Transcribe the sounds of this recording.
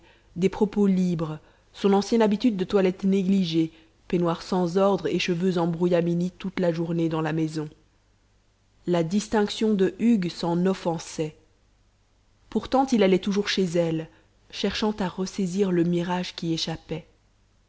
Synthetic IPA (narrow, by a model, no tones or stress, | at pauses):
d̪epχɔpolibʁ | sɔ̃nɑ̃sjɛnabit̪yd̪ːət̪walɛt̪neɡliʒe | penwaʁsɑ̃zɔʁd̪ʁeʃəvøzɑ̃bʁujaminit̪ut̪laʒuʁned̪ɑ̃lamezɔ̃ | lad̪ist̪ɛ̃ksjɔ̃d̪əʔyɡsɑ̃nɔfɑ̃sɛ | puʁt̪ɑ̃t̪ilalɛt̪uʒuʁʃezɛl | ʃɛʁʃɑ̃t̪aʁəseziʁləmiʁaʒkʲieʃapɛ